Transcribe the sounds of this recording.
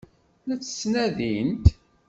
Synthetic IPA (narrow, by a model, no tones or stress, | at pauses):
læt͡sːə̥snæðint̪